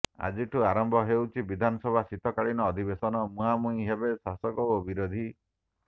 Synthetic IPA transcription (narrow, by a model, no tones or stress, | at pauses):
a̰d͡ʒiʈʰuaɾɔmbʱɔɦewt͡ʃʰibid̪ʱanɔsɔbʱasit̪ɔkaɭinɔːd̪ʱibesɔnɔmũamuĩɦebesasɔkɔobiɾod̪ʱi